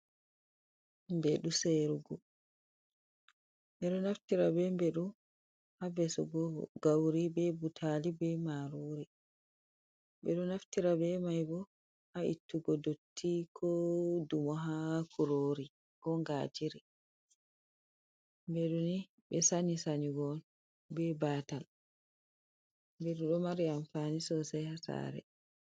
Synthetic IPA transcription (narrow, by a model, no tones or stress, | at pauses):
mbɛɗuseɾuɡɔ | ɓɛɗɔnaftiɾabɛmbeɗum | habɛsɔ̰ɡɔɡawɾibɛbutʰalibɛmaɾoːɾi | ɓɛ̰ɗɔnaftiɾabɛmajbɔ | haḭtːuɡɔdotʰːikʰɔdumɔɦakʰuɾoːɾi | kɔŋɡaːd͡ʒiɾi | bɛɗuni | bɛsanisaɲiɡɔn | bɛbaːtal | beɗuɗɔmaɾiamfaːnisɔsajhasa̰ːɾɛ̰